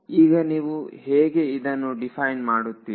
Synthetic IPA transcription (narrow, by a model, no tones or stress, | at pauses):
iːɡɐniːʋuɦeːɡe̞id̪ɐnːuɖipʰɐjnmaːɽut̪ːiː